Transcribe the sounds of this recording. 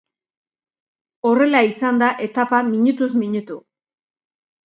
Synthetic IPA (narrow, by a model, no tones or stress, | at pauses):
o̞re̞laisand̪aʔe̞t̪apamiɲut̪uzmiɲut̪u